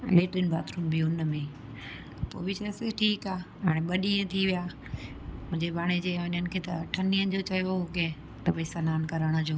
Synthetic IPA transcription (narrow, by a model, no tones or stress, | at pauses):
leːʈənbʱa̰ːt̪ɾuːmbʱiʊnəmẽ | po̰ːbʱɪt͡ɕɐseʈʰiːkaːɦaːɽẽɓɐɗiə̃t̪ʰiʋijaː | mʊ̃ɦɪ̃ɲd͡ʑebʱaːɽ̃ed͡ʑeːʋʊɲənɪ̆kʰeːt̪ɐʈʰɐniə̃d͡ʑot͡ɕɐjoɦʊɡẽ | t̪ɐbɐisanaːnkɐɾəɽ̃əd͡ʑoː